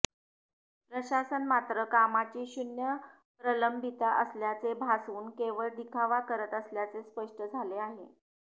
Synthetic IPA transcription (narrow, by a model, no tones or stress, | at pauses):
pɾəɕasənmat̪ɾəkamat͡ɕiːɕunjə | pɾələmbʱit̪aʔəsljat͡sebʱasuːnkeʋəɭd̪ikʰaʋakəɾət̪əsljat͡sespəʂʈəd͡zʱaleaɦe